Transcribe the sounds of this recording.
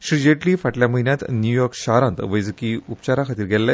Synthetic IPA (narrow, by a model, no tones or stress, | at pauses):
ɕɾid͡ʑeʈliːfaʈljaməɦinjat̪njujɔɾkɕaɾãnt̪ʋəjd͡zkiupt͡ɕaɾakʰat̪iːɾɡʱɛlːa